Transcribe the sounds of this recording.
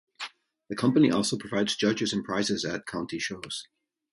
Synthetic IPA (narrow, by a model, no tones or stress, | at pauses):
ðəkʰʌ̃mpəniʔɔlˠsoʊpʰɹ̥əvaɪdz̥d͡ʒʌd͡ʒɨzə̃npʰɹ̥aɪzɪzə̰t̚kʰãʊ̃ntʰiʃoːz̥